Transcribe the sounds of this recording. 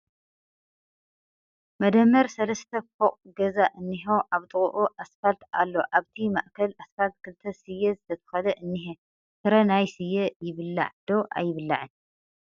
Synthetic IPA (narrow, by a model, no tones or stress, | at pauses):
mɐd̪ɐmːɐɾsɐlɐst̪ʰɐfoqʼɡɐzaʔɨnːiɦo̞ʔaβt̪ʼɨɣʼuʔuʔasfalt̪a̰lːo̞ʔaβt̪ʰima̰ʔkʰɐlasfalt̪̚kʰɨlt̪ʰɐsɨjːɛzɨt̪ʰɐt̪ʰɐ̥xɐlɐʔɨnːiɦe | t̪ɨɾɐnajsɨjːejɪβɨlːa̰ʕd̪o̞ʔa̰jːɪβɨlːa̰ʕɨn